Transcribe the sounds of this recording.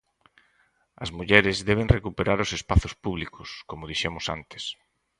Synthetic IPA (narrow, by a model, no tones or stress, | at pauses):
ɐzmuʎɛɾɪzðɛβ̞eŋrekupeɾaɾʊsespaθʊspuβlikʊskomʊðiʃemʊsa̰nt̪e̥s